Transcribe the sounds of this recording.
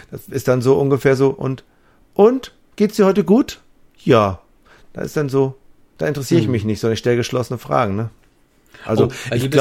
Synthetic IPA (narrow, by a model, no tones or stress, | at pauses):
d̥asʔɪstd̥anzoːʔʊnɡəfeːɐzoːʔʊ̰nt | ʔʊnt | ɡ̥eːtsd̥iːɐhɔʏtəɡuːt | jaː | d̥a̰ːʔɪ̰std̥anzoː | d̥aːʔɪntəʁɛsiːʁəɪçmɪçnɪçtzɔndɐnɪʃtɛləɡəʃlɔsənəfʁ̥a̰ːɡŋ̩nə | ʔa̰lzoɪɡl